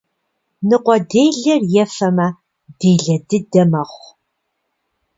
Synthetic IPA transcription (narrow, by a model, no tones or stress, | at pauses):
nɨqʷɔdeːjɮɐrjɛfɐmɐ | deːɮɐdɨdɐmɐχʷ